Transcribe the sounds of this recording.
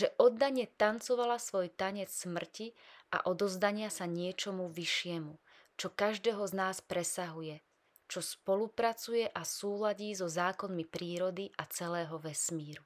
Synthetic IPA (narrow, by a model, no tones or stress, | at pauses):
ʒɛʔɔd̪ːaɲɛt̪ant͡sɔʋalasʋɔjt̪aɲɛt͡ssmr̩ciʔa̰ʔɔd̪ɔzd̪aɲɪasaɲɪɛt͡ʃɔmuʋiʃɪɛmu | t͡ʃɔkaʒd̪ɛɦɔznaːspɾɛsaɦujɛ | t͡ʃɔspɔlupɾat͡sujɛʔasuːlaɟiːzɔzaːkɔnmipɾiːɾɔd̪iʔat͡sɛlɛːɦɔʋɛsmiːɾu